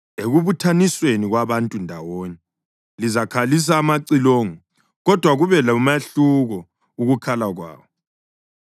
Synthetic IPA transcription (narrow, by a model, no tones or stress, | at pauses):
eɣuβutʰanisweniɣwaβantʼundʱawoːni | lizakʰalis̬aːmaǀiloːŋɔ | ɣɔd̥ʱwaɣuβɛlamaɬuɣɔ | uɣukʰalaɣwa̰ːβɔ